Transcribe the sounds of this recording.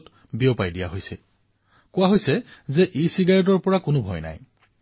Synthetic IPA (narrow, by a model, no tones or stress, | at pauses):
t | biopajdija̰ɦojsɛ̰ | kʊwaɦojsɛzɛʔisiɡaɹɔt̬ɔɹpɔɹakʊnʊbʱɔ̰jna̰j